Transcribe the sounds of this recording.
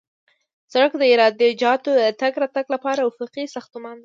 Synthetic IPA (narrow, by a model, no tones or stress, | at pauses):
saɽəkd̪əɪɾɑd̪əd͡ʒɑt̪od̪ət̪aɡɾɑt̪aɡlapɑɾawʊfuqisaxt̪umand̪a